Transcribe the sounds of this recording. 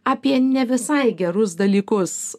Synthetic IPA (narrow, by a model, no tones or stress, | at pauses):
ɐpʲiɛnʲɛʋʲɪsɐɪɡʲɛɾʊsd̪ɐlʲiːkʊs